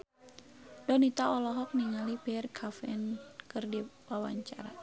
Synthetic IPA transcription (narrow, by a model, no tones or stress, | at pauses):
dɔnit̪aɔlɔɦɔk̚niŋalipɛɛrkʰafɛnkɨrdiwawa̰ɲt͡ʃa̰ɾa